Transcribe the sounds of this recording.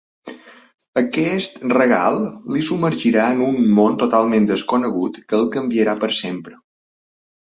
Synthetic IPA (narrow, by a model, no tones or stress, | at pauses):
əkɛst̪rəɣ̞a̰lˠlisuməɾʒiɾaənunmont̪ot̪alˠmẽnd̪əskunəɣut̪kəːlˠkəmbiəɾapəɾsempɾə